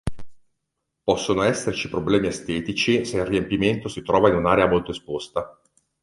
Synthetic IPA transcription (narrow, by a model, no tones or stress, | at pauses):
pɔsːonoɛsːert͡ʃipɾoblɛːmiast̪ɛːt̪it͡ʃiselrːiempiment̪osit̪ɾɔːvainunaːɾeamolt̪oespost̪a